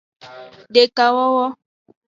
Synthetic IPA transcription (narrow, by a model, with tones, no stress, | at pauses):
ɖe˨ka˨wɔ˦wɔ˦